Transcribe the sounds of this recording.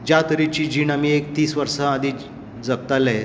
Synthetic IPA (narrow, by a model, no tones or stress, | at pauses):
d͡ʑat̪əɾit͡ɕiːd͡ʑiːnamiek̚t̪iːsʋəɾsəad̪ʱiː | d͡zək̚t̪alaɦe